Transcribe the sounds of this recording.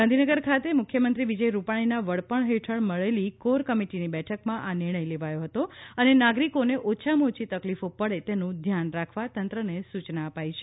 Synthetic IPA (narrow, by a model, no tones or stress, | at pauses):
ɡãnd̪ʱinəɡəɾkʰat̪emʊkʰjəmənt̪ɾiʋid͡ʒəjɾupaɽ̃inaʋəɭpəɳɦeʈʰəɳməɭelikoɾkəmiʈinibɛʈʰəkmãʔanɪɾɽ̃əjleʋajoɦət̪oənenaɡɾikoneʔot͡ʃʰamot͡ʃit̪əklifopəɭet̪enũd̪ʱjanɾakʰʋat̪ənt̪ɾənesut͡ʃnaəpajt͡ʃʰe̥